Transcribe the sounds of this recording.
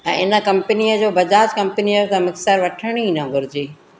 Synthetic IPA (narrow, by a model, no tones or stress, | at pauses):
ɛ̃ːɪnə̆kɐ̃mpniəd͡ʑoːbɐd͡ʑaːd͡ʑkɐ̃mpəniəɾt̪ãmʊksəɾʋɐʈʰəɽ̃ĩnãɡʊɾɪd͡ʑiː